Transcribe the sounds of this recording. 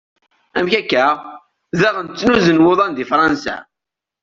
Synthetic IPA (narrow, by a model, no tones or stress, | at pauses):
æmçækːæ | ðæʁənt͡sːnuzənwoðˤɑnd̪ifɾˤɑnsæ̰